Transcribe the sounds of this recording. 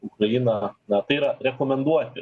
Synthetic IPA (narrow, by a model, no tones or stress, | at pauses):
ʊkɾɐjinɐnɐt̪ɐɪiɾɐɾʲɛkomʲɛnd̪uɔt̪ʲɪ